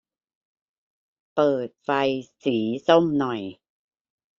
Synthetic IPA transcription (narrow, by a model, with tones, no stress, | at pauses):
pɤː˨˩t̪̚fa˧jsiː˩˦so˥˩mnɔ˨˩j